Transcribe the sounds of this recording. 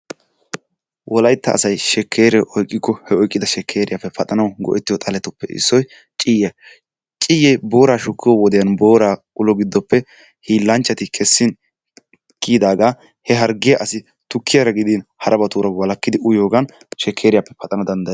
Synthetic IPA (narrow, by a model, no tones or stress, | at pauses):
wʔɔlɐjt̪ːɐ̰ːsɐjʃɛkʰːe̞ːɾɛʔɔjkʼːɪkːɔhɛɔjkʼːɪd̪ɐʃɛkʰːe̞ːɾɪjapːɛpʰɐt̪ʼɐnɐwɡɔ̰ʔɛt̪ːɪjɔt̪ʼɐlɛt̪ʊpːɛɪ̰sːɔj | t͡ʃʼɪjɐ | t͡ʃʼɪjɛjbo̞ːɾaːʃʊkːɪjɔwɔd̪ɛjɐnbo̞ːɾaː | ʊlɔɡɪd̪ːɔpːɛ | hiːlːɐnt͡ʃːɐt̪ɪkʰɛsːɪn | kiːd̪aːɡaː | hɛɦɐɾɡɪjɐʔɐsɪ | t̪ʊkːɪjɐɾɐɡɪd̪inhɐɾɐbɐt̪uːɾɐwɐlɐkːɪd̪ɪʊjo̞ːɡɐn | ʃɛkʰːeːɾɪjapːɛ̥pɐt̪ʼɐnɐd̪ɐnd̪ɐj